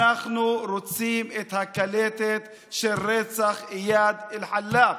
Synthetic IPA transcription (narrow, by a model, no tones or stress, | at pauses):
aχnuɾot͡simet̪hakalet̪et̪ | ʃelʁet͡saχjad̪elħalːa